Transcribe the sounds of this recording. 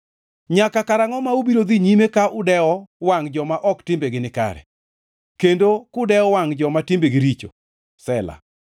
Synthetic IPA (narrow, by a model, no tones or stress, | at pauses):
ɲakakaɾaŋɔmaubiɾod̪iɲimekaʔʊdɛɔwaŋd͡ʒɔmaʔɔktɪmbeɡɪnɪka̰ɾɛ̰ | kendokʊdɛɔwaŋd͡ʒɔmatɪmbeɡɪɾit͡ʃo̰ | sɛla̰